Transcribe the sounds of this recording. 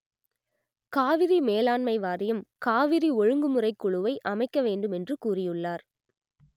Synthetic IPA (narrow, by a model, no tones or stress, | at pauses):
kaːʋɪɾimeːlaːnmɐɪʋaːrɪjɯmkaːʋɪɾiɔɻɯŋɡɯmɯrɐɪkːʊɻɯʋɐɪʔɐmɐɪkːɐʋeːɳɖɯmɛndrɯkuːrɪjɯɭːaːɾ